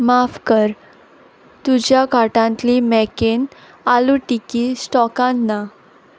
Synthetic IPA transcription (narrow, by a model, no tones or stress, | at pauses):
mafkəɾ | t̪ud͡ʑjakaʈãnt̪limɛken | aluʈikisʈɔkãnːa